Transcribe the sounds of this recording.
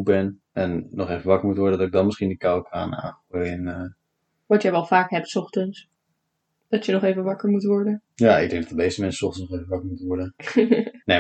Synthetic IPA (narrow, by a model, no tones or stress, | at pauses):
bɛn | ɛnːɔχejvənʋɑkəɹmutʋɔɹdədɑtɪɡ̚dɑnmɪsχindikawkʰa̰ːna̰ːχojɛnə | ʋɑtjəʋɛlˠfaːkɦɛp̚tsɔχtəns | d̥ɑtjənɔχejvənʋɑkəɹmutʋɔɹdəjaːɪ̰ɡ̚dɛ̃ŋɡd̥ɑtd̥əmejstəmɛnsə̥sɔχtənsnɔχejvəʋɑkəɹmutəʋɔɹdə | ne